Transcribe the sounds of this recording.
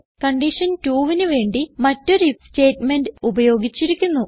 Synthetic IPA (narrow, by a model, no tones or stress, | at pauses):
kɐɳɖiʂɐntuːʋinɨʋe̞ːɳɖimɐtːo̞ɾste̞ːtmenɖɨubɐjo̞ːɡit͡ɕːiɾikʲːunːu